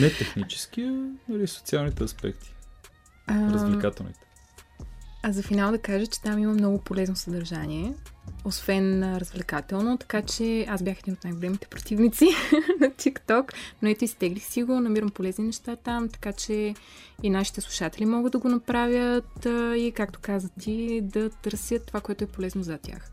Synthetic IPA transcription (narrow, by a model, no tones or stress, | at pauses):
nɛt̪ɛxnit͡ʃɛ̥sk̟iənɐliso̥t̪sialˠnit̪ɛɐspɛ̰kt̪ʰi̥ | əɾzvlɛkat̪ɛ̰lˠnḭt̪ɛ̥ | ɐzɐfinalˠd̪ɐkaʒət͡ʃɛ̥t̪amimɐmnɔɡʊpolɛznosɐd̪ɐɾʒaniɛosvɛnɾəzvlʲɛkat̪ɛlˠnot̪ɐ̥kat͡ʃɛasbʲjaxɛd̪inot̪najɡolɛmit̪ɛ̥pɾot̪ivnit̪sinɐt̪ʰikt̪ɔknoɛt̪oist̪ɛɡlixsiɡonɐmiɾəmpolɛzninɛʃt̪at̪amt̪ɐ̥kat͡ʃɛinaʃi̥t̪ɛslˠu̥ʃat̪ɛlimɔɡəd̪d̪ɐɡonɐpɾavʲjət̪ikak̚t̪o̥kazvət̪ʰid̪ɐt̪ɤɾsjət̪ːovakoɛt̪ʊɛpolɛznozɐt̪ʲja̰x